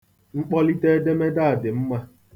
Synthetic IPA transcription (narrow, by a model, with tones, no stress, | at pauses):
ŋ͡m̩˦k͡pɔ˦li˦te˦de˦me˦da˦˨a˨dɪ˨m̩˦ma˦